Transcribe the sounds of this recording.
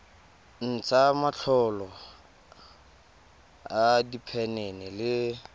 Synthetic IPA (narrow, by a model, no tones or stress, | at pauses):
n̩t͡samaɬʰɔlɔ | adipʰɛnenɛlɪ